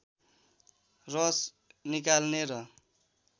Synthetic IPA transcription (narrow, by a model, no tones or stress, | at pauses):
rʌs | nikalneɾʌ